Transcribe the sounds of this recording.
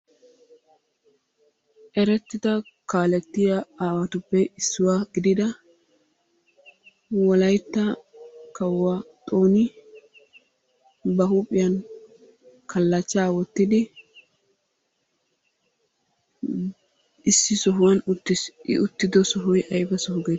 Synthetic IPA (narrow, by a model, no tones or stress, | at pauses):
ʔɛɾɛt̪ːɪd̪ɐ | kaːlɛt̪ːɪjaaːwɐt̪ʊpːɛɪsːʊwaːɡɪd̪ɪd̪ɐ | wɔlɐjt̪ːɐkɐwːaːt̪ʼo̞ːnɪ | bɐɦupʼɪjɐn | kʰɐlːɐt͡ʃːaːwɔt̪ːɪd̪ɪ | ɪsːɪsɔɦʊwɐnɪɪ̰ʔʊt̪ːɪd̪ɔsɔɦʊjɐjbɐsɔɦʊɡe